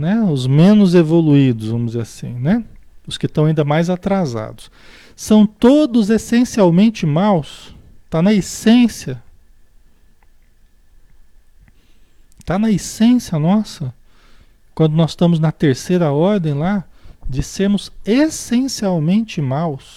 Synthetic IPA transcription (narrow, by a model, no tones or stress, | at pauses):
nɛʊzmẽnʊzevoluid̪ʊzvɐ̃mʊzeasḭ̃nɛ | ʊskɪst̪ɐ̃w̃aĩnd̪ɐmajzat̪ɾaza̰d̪ʊs | sɐ̃w̃t̪od̪ʊzesẽsiawmẽnt͡ʃɪmawst̪anɐesẽsiɐ | t̪anɐesẽsiɐnɔsɐ | kwɐ̃nd̪ʊnɔsst̪ɐ̃mʊznɐt̪eɾsejɾɐɔɾd̪ẽj̃lad͡ʒɪseɾmʊzesẽsiawmẽnt͡ʃɪmaws